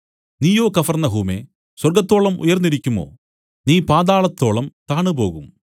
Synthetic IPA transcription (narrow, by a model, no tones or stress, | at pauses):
niːjo̞ːkɐfɐrnɐɦuːmḛ | swɐrɡɐt̪ːo̞ːɭɐmṵjɐrnːiɾikʲːumo̰ː | niːpaːd̪aːɭɐt̪ːo̞ːɭɐmt̪aːɳɨbo̞ːɣum